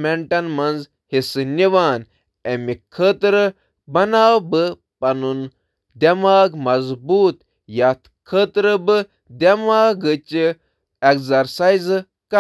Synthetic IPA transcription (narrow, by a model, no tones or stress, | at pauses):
meɳʈɐnmɐnz | hisɨnʲiʋaːn | emikʰət̪ɾɨ | bɐnaːwbɨ | pɐnun | d̪ʲɐmaːɡmɐzbuːt̪ | jat̪ʰ | kʰəːt̪ɾɨbɨ | d̪ʲɐmaːɡɨt͡ʃi | ekzɐɾsajzɨ | ka